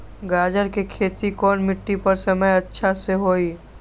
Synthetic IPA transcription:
ɡaːd͡ʒəɾkekʰeːt̪ikɔːnmɪʈːipɐɾsɐməjɐtːʃʰaseɦoːiː

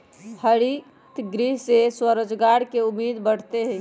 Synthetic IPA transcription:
həɾi | t̪ɡɾiɦseswəɾəd͡ʒɡaɽkeumːid̪bəɽ̤t̪eɦɛ̃

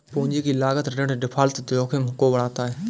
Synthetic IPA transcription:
pʊ̃ːɲd͡ʑiːkiːlaːɡət̪ɾeɽɖɪpʰaːlt̪t̪joːkʰemɦʊkobɐɽaːt̪aːɦeː

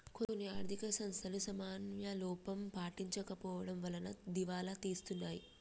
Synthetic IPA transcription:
konːiaːɾd̪ʱikɐsɐnst̪ʰɐlusɐmaːnjɐlɔːpɐmpaːʈiɲt͡ʃɐkɐpɔːʋɐɽɐmʋɐlɐnɐd̪iʋaːlat̪iːst̪unːaːji

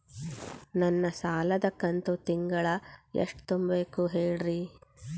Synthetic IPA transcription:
nɐnːɐsaːlɐd̪ɐkːɐnt̪ut̪iŋɡɐɭɐḛʂʈt̪umbeːkuɦeːɭɾi

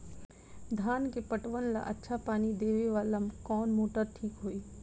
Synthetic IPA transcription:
d̪ʱaːnkepəʈʋənla̰ʔɐtːʃʰapaːnid̪eːʋeʋaːlɐmkɔːnmoːʈəɾʈʰiːkɦoːiː

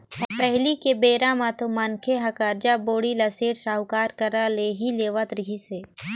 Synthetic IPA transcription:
pɛɦlikebeːɾamãt̪omankʰeɦɐkaːɾd͡ʒaboːɽilɐseːʈʃaːɦʊkaːɾkɐɾaleɦileːʋat̪ɾɪɦiseː

